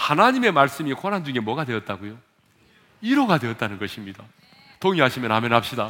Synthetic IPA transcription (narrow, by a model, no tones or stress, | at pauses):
hanaɲime̞maɭs͈ɯmikʰonɦand͡ʑuŋe̞mwʌɡadwe̞ʌt̚t͈aɡojo | iɾoɡadwe̞ʌt̚t͈anɯnɡʌɕʰimɲida | toŋiɦaɕʰimjʌna̰menɦap̚ɕ͈ida